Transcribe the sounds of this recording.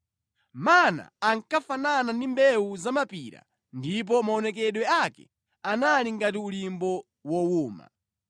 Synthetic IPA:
mana̰ːŋkafananandimbɛuzamapiɾa̰ | ndip̬ɔmaɔnɛkɛɗwɛakɛ̰ | analiŋɡatiulimbɔ | wɔwuːma̰

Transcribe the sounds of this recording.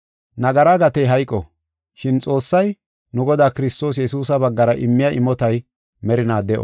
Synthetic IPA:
nɐɡɐɾaɡɐt̪ɛjɦɐjkʼːɔ | ʃɪnt͡sʼo̞ːsːɐj | nʊɡɔd̪aːkɪɾɪst̪o̞ːs̬jɛsuːsɐbɐɡːɐɾɐʔɪmːɪjaʔɪmːɔt̪ɐj | mɛɾɪnaːd̪ɛʔɔ̰

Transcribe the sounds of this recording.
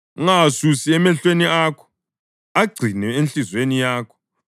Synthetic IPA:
ŋasusiɛmɛɬweniakʰɔ̥ | aɡ͡ǀʱinɛenɬizwenijaːkʰɔ̥

